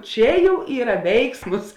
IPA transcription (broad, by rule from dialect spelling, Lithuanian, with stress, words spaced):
ˈt͡ʃʲɛ ˈjɛʊ ˈiːrɐ ˈʋʲɛɪksmʊs